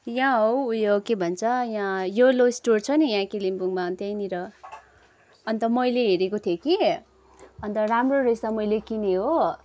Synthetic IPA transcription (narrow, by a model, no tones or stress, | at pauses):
jãɦowujokebʱʌnt͡sʰʌjãjolosʈort͡sʰʌnijãkilimbuŋmaʌnt̪ejniɾʌ | ʌnt̪ʌmʌjleɦeɾekot̪ʰjoki | ʌnt̪ʌramroresamʌjlekineɦo